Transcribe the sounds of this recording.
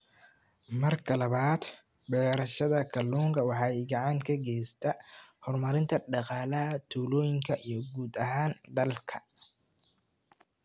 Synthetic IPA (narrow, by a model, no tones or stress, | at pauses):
mɐrkʰɐlɐβaːd̪ | bɛːɾɐʃɐðɐkʰɐlːuːŋkʰɐwɑħɑːɪɡɐʕɑːŋkʰɐɡɛːjst̪ʰɐhɔrmɐɾɪnt̪ʰɐɖɑqɑːlɐɦɐt̪ʰuːlɔːjɪŋkʰɐʔijɞɡuːd̪ɐɦaːnd̪ɐlkʰɐ